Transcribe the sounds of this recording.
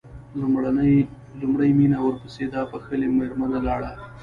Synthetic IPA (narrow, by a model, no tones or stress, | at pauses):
lɽan | lʊmɽəjminawəɾpəsed̪apəxəlemeɾmanalɑɽa